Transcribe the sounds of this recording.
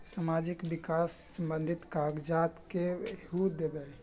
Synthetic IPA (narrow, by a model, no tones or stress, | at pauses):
samad͡ʒikbikasːəmbənd̪ʱit̪kaɡd͡ʒat̪kehud̪ebɛ